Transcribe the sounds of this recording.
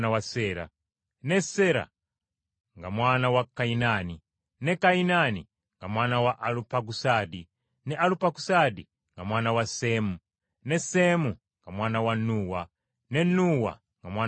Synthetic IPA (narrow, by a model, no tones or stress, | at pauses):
nawasɛːɾa̰ | nɛsɛɾa̰ | ŋɡamwanawakainani | nɛkainani | ŋɡamwanawaʔalupak̬usadi | nɛʔalupakusadi | ŋɡamwanawasɛːmu | nɛsɛmu | ŋɡamwanawanuːwa | nɛnuwa̰ | ŋɡamwa